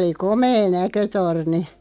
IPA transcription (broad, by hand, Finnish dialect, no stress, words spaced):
oli komeː nækøtorni